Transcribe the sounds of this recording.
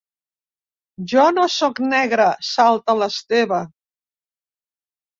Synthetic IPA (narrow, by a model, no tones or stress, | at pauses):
ʒɔnosɔknɛɣɾəsalˠt̪ələst̪eβə